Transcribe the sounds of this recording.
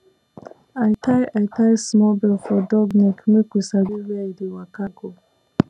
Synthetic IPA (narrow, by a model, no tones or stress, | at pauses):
ajtʰajʔajtajsmɔbɛlfɔdɔɡnɛkʰumekusaɾiɹadiwakaɡo